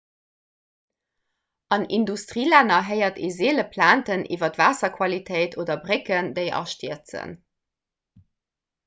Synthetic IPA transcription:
ɑnḭndustʁiːlænɐɦəɪɐtʰezeːləpʰlaːntənʔḭvɐtvaːsɐkʰwɑlitʰeɪtʰoːdɐbʁekəndəɪʔɑ̰ʃtiət͡sə̰n

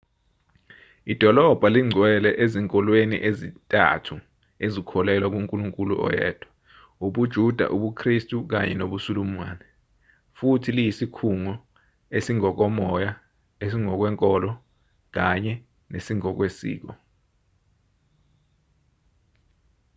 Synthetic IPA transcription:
id̥ʱɔlɔb̥ʱaliŋ͡ǀʱwɛlɛʔeziŋkʼɔlwenḭʔezitʼa̰tʰu | ezikʰɔlɛlwak̬uŋkʼuluŋkʼulṵʔɔ̰jɛ̰ːd̥ʱwḁ | uɓud̥ʒ̥ʱud̥ʱa̰ʔuɓukʰristʼuk̬aɲɛ̰noɓusuluma̰ːnɛ | futʰilijisikʰuŋɔ | esiŋɔk̬ɔmɔja | esiŋɔk̬wɛŋkʼɔlɔ | k̬aɲɛ | nesiŋɔk̬wesḭːk̬ɔ

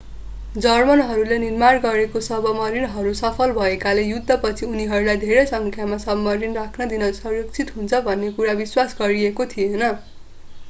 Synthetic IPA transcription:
d͡zʌrmʌnɦʌɾulenirmarɡʌɾekosʌbʌmʌɾinɦʌɾusʌpʰʌlbʱʌekalejud̪ʱːʌpʌt͡sʰiuniɦʌɾulajd̪ʱeɾʌjsʌŋkʰjamasʌbmːʌɾinrakʰnʌd̪inʌsʌrjʌkt͡sʰit̪ɦunt͡sʰʌbʱʌnːekuɾabiswasɡʌɾiekot̪ʰijenʌ

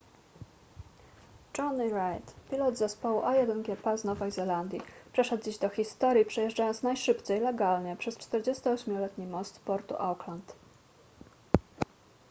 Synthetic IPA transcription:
ʈ͡ʂɔniɾajt̪pʲilɔd̪zɛspɔwuʔajɛd̪ɛnɡʲɛpɛznɔvɛjzɛland̪ʲjipʂɛʂɛd̪̚d͡ʑiʑd̪ɔxʲist̪ɔɾʲjipʂɛjɛʐd͡ʐajɔnt̪snajʂɘpt͡s̪ɛjlɛɡalɲɛpʂɛst͡ʂt̪ɛɾd͡ʑest̪ɔɔɕmʲjɔlɛt̪ɲimɔst̪pɔɾt̪ṵʔawklant̪

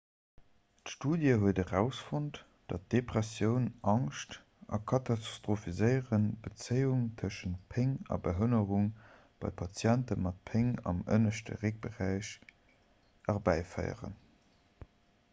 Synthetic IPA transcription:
tʃtuːdjəɦuədəʁæʊsfont | d̥ɑt̚d̥epʁæsjəʊnʔɑŋʃt | ɑ̰kʰɑtʰɑsstʁofizəɪəʁənb̥ət͡səjuŋtʰəʃəntpʰeŋɑ̰bəɦənəʁuŋ | b̥ɑ̰ɪpʰɑt͡sjæntəmɑt̚pʰeŋɑ̰mə̰nəʃtə̰ʁek̚b̥əʁæɪɕ | ʔɑʁbæɪfə̰ɪə̰ʁə̰n

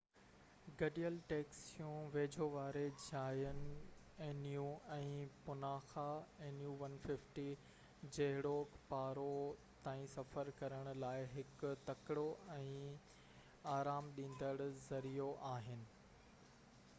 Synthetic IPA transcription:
ɡɐɗijəlʈeːksjũʋeːd͡ʑʱoʋaːɾed͡ʑʱaːjən | eːnijũɛ̃ːpʊnaːxaeːnjuːʋɐnfɪfʈi | d͡ʑɐɦɪɽokpaːɾo | t̪ãːĩsɐfəɾkɐɾəɽ̃ʊ̆laːɪɦɪkt̪ɐkɪɽoɛ̃ː | aːɾaːmɗĩːn̆d̪əɽzɐɾijoʔaːɦɪnɪ̆

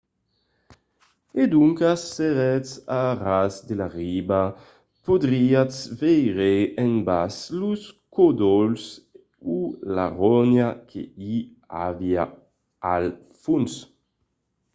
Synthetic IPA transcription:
ed̪uŋkaseɾɛt͡sarasd̪elaʁiba | pod̪ɾiat͡svejɾeenbasluskod̪ɔls | ula̰ʁɔnjakʰḛi | a̰via̰ | al | funs

